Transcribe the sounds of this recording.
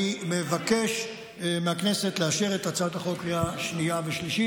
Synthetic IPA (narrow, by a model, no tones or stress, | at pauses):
imevake̞ʃ | meakne̞se̞t̪leaʃeʁetat͡sataχo̞kʁiaʃniaveʃliʃi